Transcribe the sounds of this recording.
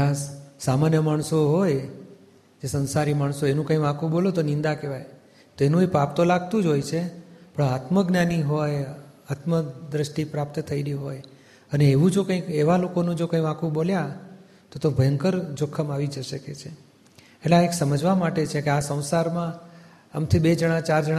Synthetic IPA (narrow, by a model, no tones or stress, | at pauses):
bassamanjəmaɳsoɦoj | d͡ʒesə̃nsaɾimaɳsoenũkə̃ĩʋãkʰũbolot̪onɪ̃nd̪akeʋaj | t̪oenũepap̚t̪olaɡ̚t̪ũd͡ʒojt͡ʃʰepəɳat̪məɡnjaniɦojat̪məd̪ɾəʃʈipɾap̚t̪t̪ʰəiliɦoj | əneːʋũd͡ʒokə̃ĩkeʋalokonũd͡ʒokə̃jʋãkʰũbolja | t̪ot̪obʱəjəŋkəɾd͡ʒokʰːəmaʋid͡ʒəʃəket͡ʃʰe | eʈleaeksəməd͡ʒʋamaʈet͡ʃʰekeasə̃w̃saɾmãː | mt̪ʰibed͡ʒəɽ̃ãt͡ʃaɾd͡ʒəɽ